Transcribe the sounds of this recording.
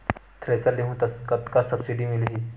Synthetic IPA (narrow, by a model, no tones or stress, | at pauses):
t̪ʰɾesəɾleɦũːt̪əskət̪kasəbsiɖimilɦi